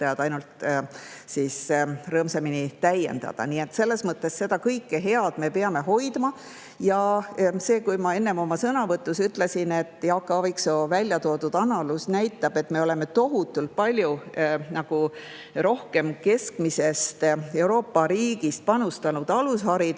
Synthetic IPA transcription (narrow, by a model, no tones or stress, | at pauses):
ɑjɑd̪̥ɑjnult̪ | sisrɤːmseminit̪æje̞̰nd̪̥ɑ̰d̪̥ɑ̰nie̞t̪ːse̞lːe̞smɤt̪ːe̞sse̞d̪ɑkɤjkːeɦe̞ɑd̪̥me̞pe̞ɑme̞ɦo̞jd̪̥mɑ | jɑse̞ːkujmɑe̞nːe̞mo̞mɑsɤnɑvɤt̪ːˑusyt̪ˑle̞sine̞t̪ːˑjɑːkːˑɑvikso̞vælʲjɑt̪o̞ːd̪ud̪ɑnɑlusnæjt̪ːˑɑb̥e̞t̪ːˑme̞o̞leme̞t̪o̞ɦut̪ːˑult̪̚pɑlʲjunɑɡ̥u | ɾo̞hke̞mke̞skmise̞st̪e̞wɾo̞ːpːɑɾiːɡ̥ist̪̚pɑnust̪ɑnud̪̥ɑlushɑɾid̪